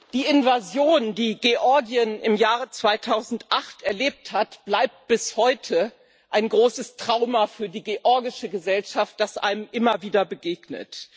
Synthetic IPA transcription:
d̥iːɪnvazjoːndiːɡeʔɔɐɡiənɪmjaːʁət͡sv̥aɪtʰaʊzn̩tʔaχtɛɐleːp̚thatb̥laɪp̚t̚b̥ɪshɔʏtʰə | ʔaɪnɡʁoːsəstʁ̥aʊmafyːɐdiːɡeʔɔɐɡɪʃəɡəzɛlʃaft̚d̥asʔa̰ɪnəmʔɪmɐviːdɐbəɡeːɡnə̰t

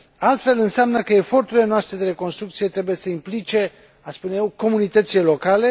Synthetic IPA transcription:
alt̪fe̞lɨnseamnəkəe̞fo̞rt̪uɾile̞noast̪ɾe̞d̪eɾe̞ko̞nst̪ɾukt̪sije̞t̪ɾe̞buje̞səimplit͡ʃe̞ | aspunjewko̞munit̪ət̪sile̞lo̞kale̞

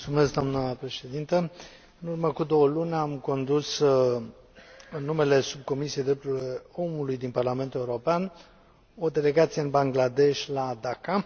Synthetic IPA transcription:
ult̪sume̞sk̚d̪amnəpɾe̞ʃe̞d̪int̪ə | ɨnurməkud̪o̞wəlunʲamko̞nd̪us | ɨnːume̞le̞sub̚ko̞misijejd̪ɾept̪uleo̞mulujd̪inparlame̞nt̪uleuɾo̞pean | o̞d̪e̞le̞ɡat̪sijeɨnbaŋɡlad̪e̞ʃʲlad̪aka

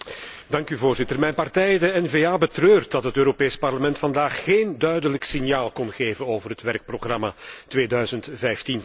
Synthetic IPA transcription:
dɑŋkyvoːrzɪtərmɛjnpɑrtɛjdəɛnveːaːbətrøːrtdɑtɦətøːɾopeːspɑrləmɛntfɑndaːχːeːndœɥdələksɪnjaːlˠkɔnɣeːvənoːvərɦətʋɛrk̚proɣrɑmatʋeːdœɥzəntvɛjftin

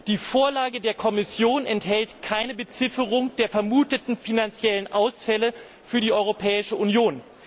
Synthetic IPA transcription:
d̥iːfoːɐlaːɡədeːɐkʰɔmɪsjoːnɛnthɛltkʰaɪnəbət͡sɪfəʁʊŋd̥eːɐfɛɐmuːtətn̩finant͡sjɛlənʔaʊsfɛlə | fyːɐdiːʔɔʏʁ̞opʰɛːɪʃəʔunjoːn

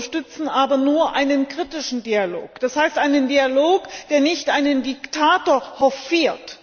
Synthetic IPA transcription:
ʃtʏt͡sn̩ʔaːbɐnuːɐʔaɪnənkʁ̥itɪʃn̩dialo̰ːkd̥ashaɪstʔaɪnəndialoːkd̥eːɐnɪçtʔaɪnəndiktʰaːtoːɐhɔfiːɐt

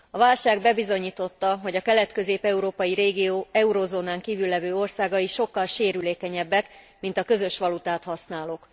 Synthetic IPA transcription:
ɒvaːlʃaːɡbɛbizo̞ɲiːt̪o̞t̪ːɒɦo̞ɟɒkɛlɛt̪kø̞zeːpɛuɾoːpɒjiɾeːɡioːɛuɾozoːnaːŋkiːvylːɛvøːo̞rsaːɡɒiʃo̞kːɒlʃeːɾyleːkɛɲɛbːɛk | mint̪ɒkø̞zø̞ʃʋɒlut̪aːt̪hɒsnaːlok

